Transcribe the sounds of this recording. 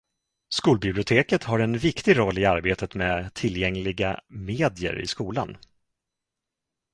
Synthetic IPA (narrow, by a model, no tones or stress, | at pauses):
skuːlbɪblɪʊt̪ʰeːkət̪haɾɛnvɪkt̪ɪɡɾɔlːɪaɾbeːt̪ʰət̪mɛːt̪ʰɪlːjɛŋlɪɡameːd̪ɪjə̰ɾɪ̰skuːla̰n